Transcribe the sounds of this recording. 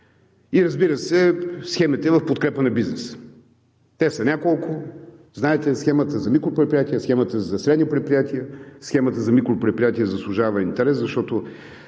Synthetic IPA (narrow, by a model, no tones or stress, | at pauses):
iɾəzbiɾəsɛsxɛmit̪ɛvɐfpot̪kɾɛpənɐbiznɛs | t̪ɛsɐnʲakolˠkʊznaɛt̪ɛsxɛmət̪əzɐmikɾʊpɾɛt̪pɾijat̪iəsxɛmət̪əzɐsɾɛd̪nipɾɛt̪pɾijat̪iəsxɛmət̪əzɐmikɾʊpɾɛt̪̚pɾijat̪iəzɐslˠʊʒavəint̪ɛɾɛszɐʃt̪ɔt̪o